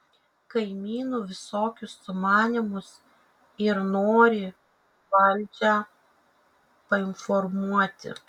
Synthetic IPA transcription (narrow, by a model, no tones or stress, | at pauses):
kɐɪmʲiːnuːʋʲɪsoːkʲʊsːʊmɑːnʲɪmʊs | ɪɾnoːɾʲɪ | ʋɐlʲd͡ʒʲæ | pɐɪnfɔɾmuɔt̪ʲɪ̰